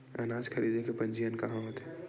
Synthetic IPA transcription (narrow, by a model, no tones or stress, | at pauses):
ɐnaːd͡ʒxʰɐɾiːd̪ʱekepɐ̃nd͡ʒijənkɐɦãɦoːt̪ɦeː